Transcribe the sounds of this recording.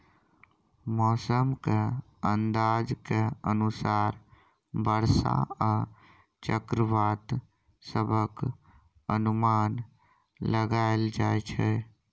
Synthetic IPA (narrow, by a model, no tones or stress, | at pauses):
mɔːsəmke | ənd̪ad͡ʒkeənusaɾ | bəɾsa̰a | t͡ʃəkɾəʋat̪ | səbʱək | ənuman | ləɡaeld͡ʒajt͡ʃʰɛ